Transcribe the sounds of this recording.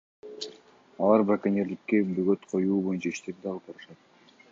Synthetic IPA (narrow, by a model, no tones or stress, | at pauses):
ɑlˠɑɾbɾakanʲeɾd̪ikːebøɡø̞t̪qʰo̞juːbo̞junt͡ʃɑiʃt̪ep̚d̪ɑlˠpɑɾɯʃɑt̪̚